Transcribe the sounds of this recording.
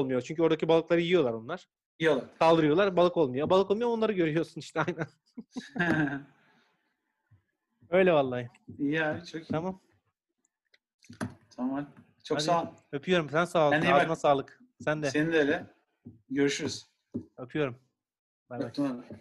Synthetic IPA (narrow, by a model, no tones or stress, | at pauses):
olˠmujot͡ʃʰyɲʲcyo̞ɾd̪acibalˠɯklˠaɾɯjijo̞lˠaɾonlˠaɾ̥ | ijolˠaɾsalˠd̪ɯɾɯjo̞lˠaɾbalˠɯko̞lˠmujoabalˠɯko̞lmujoonˠaɾɯɡɟø̞ɾyjo̞ɾsuniʃt̪ʰɛajnæn | ø̞jlʲɛvalˠːaːj | ijabit͡ʃʰokt̪ʰamam | t̪ʰamam | t͡ʃʰokad̪anøpʰyjo̞ɾumsænsaːlˠnamasaːlˠɯk | sænd̪ɛeninølʲɛ | ɟøɾyʃyɾyz | apʰyjo̞ɾum | bæat̪a